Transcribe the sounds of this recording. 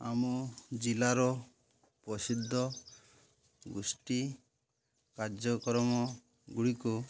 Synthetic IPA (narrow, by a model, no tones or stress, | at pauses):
amɔd͡ʒilaɾɔ | pɔsid̪ʱːɔ | ɡusʈi | kaɾd͡ʒɔkɔɾɔmɔ | ɡuɽiku